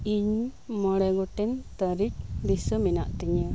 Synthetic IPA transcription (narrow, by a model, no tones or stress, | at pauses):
iɲmɔɽɛɡɔʈɛnt̪əɾik̚bisəminaʔt̪iɲə